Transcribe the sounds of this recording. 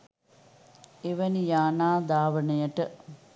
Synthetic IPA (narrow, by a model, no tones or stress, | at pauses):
eʋɐnijaːnaːd̪aːʋəɳɐjəʈə